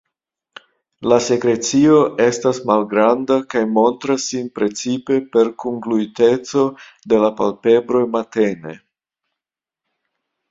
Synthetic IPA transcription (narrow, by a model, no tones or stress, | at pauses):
lase̞kɾe̞t͡sio̞ʔe̞stasmalɡɾandakajmo̞ntɾasːinpɾe̞t͡sipe̞pe̞ɾkuŋɡluite̞t͡so̞ | de̞lapalpe̞bɾo̞jmate̞ne̞̰